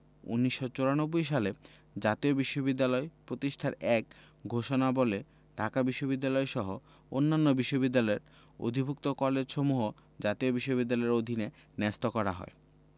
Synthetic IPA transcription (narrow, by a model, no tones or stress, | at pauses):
ṵnːiʃːot͡ɕoɾanobːojʃale | d͡ʑat̪iobiʃːobid̪ːalɔepɾot̪iʃʈʰaɾɛk | ɡʱoʃonabole | ɖʱakabiʃːobid̪ːalɔeʃɔɦo | o̰nːanːobiʃːobid̪ːalɔeɾ | o̰d̪ʱibʱuk̚t̪okɔled͡ʑʃomuɦo | d͡ʑat̪iobiʃːobid̪ːalɔeɾod̪ʱine | nɛst̪okɔɾa̰ɦɔ̰e